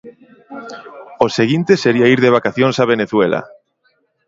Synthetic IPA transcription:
oseɣint̪eseɾiaiɾðeβ̞akaθjonsaβ̞eneθwela̰

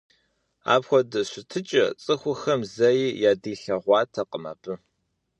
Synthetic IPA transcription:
a̰ːbxʷɔdɐɕʷɪtʰɨt͡ʃʼɐ̰t͡sʼɨxʷʊxɐmzɐjiːjaːdiːɬɐʁʷɑːtʰɐqəmɐ̰b̥ɨ

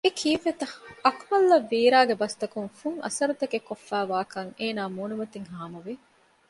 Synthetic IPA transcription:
ekʰiːfet̪ɐhɐkmɐlːɐʋːiːɾaːɡebɐst̪ɐkuŋfuŋʔɐ̰sɐɾut̪ɐkekːofːæːʋaːkɐŋeːnaːmuːnumɐt̪iŋɦaːmuʋi

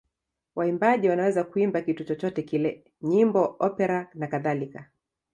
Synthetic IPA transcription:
waimbaʄiwanawɛzakuimbakitut͡ʃɔt͡ʃɔtɛkilɛ | ɲimbɔʔɔpɛɾanakaðalika

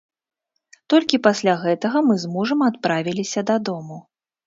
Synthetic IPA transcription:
t̪ɔlʲkʲipasʲlʲaɣɛt̪ɐɣɐmɨzmuʐɐmat̪̚pɾavʲilʲisʲɐd̪ɐd̪ɔmu

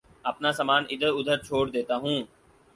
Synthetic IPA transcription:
əpnaːsəmaːnɪd̪ʱəɾʊd̪ʱəɾt͡ʃʰoːɽd̪eːt̪aːɦũː

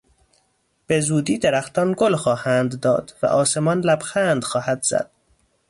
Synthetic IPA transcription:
b̥e̞zuːd̪iːd̪eɾæxt̪ɒnɡolxɒːhænd̪ːɒ̰ːd̪̥væ̰ʔɒːse̞mɒnlæbxænd̪xɒːhæd̪̥z̥æ̰d̪̥

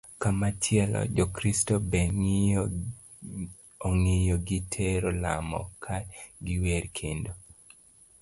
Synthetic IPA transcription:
kamat͡ʃjɛlɔ̰d͡ʒɔkɾistobe | oŋejɔɡitʰeɾola̰mɔ̰kʰaɡɪweɾkʰendo

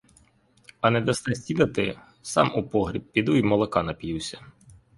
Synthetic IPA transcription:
ɐnɛd̪ɐst̪ɛsʲtʲinɐt̪ɪ | sɑ̰mupɔɦɾʲib̚pʲid̪uimɔlˠɐkɑnɐpʲjiwsʲɐ̥

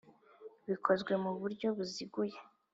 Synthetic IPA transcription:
βikʰo̞zɡwe̞muβuɾɟo̞βuziɡuje

